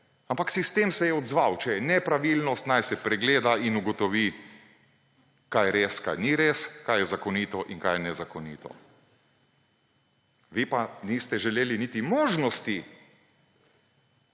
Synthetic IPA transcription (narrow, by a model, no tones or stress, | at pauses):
ampaksist̪emsɛjɛɔd̪zʋawt͡ʃɛjɛnɛpɾaʋilnɔst̪najsɛpɾɛɡleːd̪ainuɡɔt̪ɔʋi | kajɾeːska̰jniɾeskajɛzakɔnit̪ɔʔiŋkajɛnɛzakɔnḭːt̪ɔ̰ | ʋipanist̪ɛʒɛleːlinit̪imoːʒnɔst̪i